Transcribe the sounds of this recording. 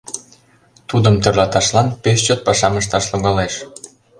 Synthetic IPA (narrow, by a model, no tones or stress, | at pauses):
t̪ud̪əmt̪ørlɑt̪ɑʃlɑnpest͡ɕot̪̚pɑʃɑməʃt̪ɑʃloɣɑleʃ